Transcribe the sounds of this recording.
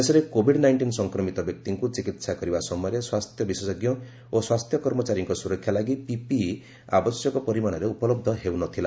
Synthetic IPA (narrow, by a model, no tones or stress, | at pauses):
esɔɾekobʱiɖnajɳʈinsɔŋkɾɔmit̪ɔbjɔk̚t̪iŋkut͡ʃikit̪sakɔɾibasɔmɔjɔɾeswast̪ʰjɔbisesɔɡjɔ | oswast̪ʰjɔkɔɾmɔt͡ʃaɾjɔŋkɔsuɾɔkʰːjalaɡipipi | a̰bɔsjɔkɔpɔɾimañɔɾeupɔlɔb̚d̪ʱɔɦewnɔt̪ʰila